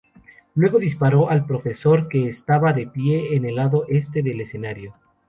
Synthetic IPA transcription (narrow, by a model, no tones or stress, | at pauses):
lwe̞ɣo̞ðispaɾo̞ʔalpɾo̞fe̞so̞ɾke̞ːst̪aβaðe̞pje̞ːne̞laðo̞ʔe̞st̪e̞ðe̞le̞se̞naɾjo̞